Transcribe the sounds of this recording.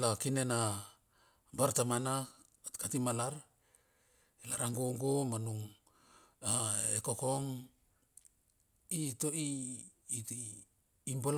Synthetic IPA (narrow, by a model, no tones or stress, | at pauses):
lakine̞na | baɾtamana | katimalaɾ | elaɾaŋɡoŋɡomanuŋ | aeko̞ko̞ŋ | itoiː | t | imbol